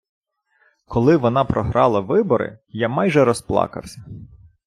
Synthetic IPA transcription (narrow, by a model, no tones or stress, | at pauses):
kʰɔlˠɪʋɔnɑpɾɔɦɾɑlˠɐʋɪbɔɾɪ̰jamɑjʒɛɾɔsplˠɑ̰kɐ̰wsʲɐ